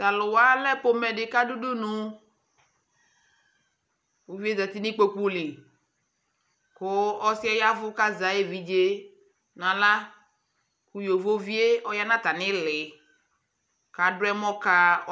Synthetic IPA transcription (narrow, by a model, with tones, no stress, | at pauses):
ta˨lʊ˨wa˦lɛ˦k͡po˦mɛ˨dɪ˨ka˦du˦du˦nʊ̃˨ | wo˨vi˦e˦zɛ˨t̪i˦nɪ̃˦k͡po˦ku˦lɪ˨ | kʊ˦ɔ˦sɪ˦ɛ˦ja˦vʊ˦ka˦za˨je˦vi˨d͡ʒe˦ | nã˨la˦ | ku˦jo˨vo˦vi˦e˦ɔ˦ja˦nã˦t̪a˨nɪ̃˦lɪ˨ | ka˨dʊ˦ɛ˦mɔ̃˦ka˦